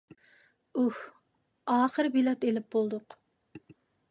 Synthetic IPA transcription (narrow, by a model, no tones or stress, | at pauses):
uh | ɑːχəɾbilɑt̪elɪp̚bolˠd̪ʊq